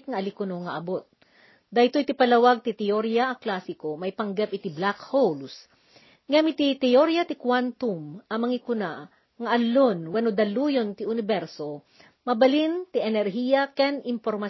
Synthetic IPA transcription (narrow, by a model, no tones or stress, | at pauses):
k̚ŋɐʔɐlikʊnoŋɐʔɐbot̪̚ | d̪ajt̪ojit̪ɪpɐlɐwaɡ̚t̪ɪt̪ɛoɾjaʔɐklasɪkomɐipɐŋɡɛp̚ʔɪt̪iblakhols | ŋamit̪it̪ɛjoɾjɐt̪ɪkwant̪umʔɐmɐŋikʊna | ŋɐʔɐlːonwɐnod̪ɐlujont̪ɪʔʊnɪbɛɾso | mɐbɐlint̪iʔɛnɛɾɦijɐkɛnʔɪmpoɾmɐ